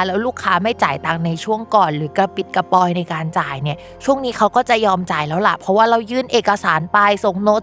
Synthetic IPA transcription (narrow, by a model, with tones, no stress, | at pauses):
lɛː˦˥wluː˥˩kʰːaː˦˥ma˥˩jt͡ɕaː˨˩jt̪a˨˧˩ŋna˧jt͡ɕʰu˥˩əŋkɔː˨˩nɾɯː˩˦ka˧˩pi˨˩t̪̚ka˧pɔː˧jna˧jkaː˧nt͡ɕaː˨˩jni˥˩ɐ | t͡ɕʰu˥˩əŋniː˦˥kʰa˦˥wkɔː˥˩t͡ɕa˨˩jɔː˧mt͡ɕaː˨˩jlɛː˦˥wla˨˩pʰɾɔ˦˥waː˥˩ɾa˧wjɯː˥˩nʔeː˨˩kːa˧saː˨˩˦npa˧jso˨˩ŋno˦˥